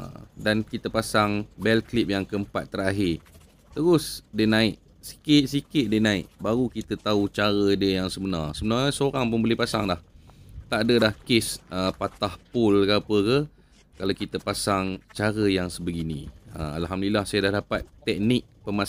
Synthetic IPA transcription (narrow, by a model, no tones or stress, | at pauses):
dankit̪əpasaŋbɛlklip̚jaŋkəəmpat̪̚ːəɾaɦɪr | t̪əɾʊsdenaɪʔ̪ | si̥kɪʔ̪sikɪʔ̪̚denaɪʔ̚baɾukit̪ət̪aut͡ʃaɾədəjaŋsəbənarsəbənaɲasoɾaŋpʊnbəlɪpasaŋlaht̪aʔadəlahkɪsəpat̪ahpʊlɡapəkə | kalakit̪əpasaŋt͡ʃaɾəjaŋsəbəɡinḭ̃ə̰a̰lɦamdəlilahsajadahdapat̪ːɛk̚nɪk̚pəma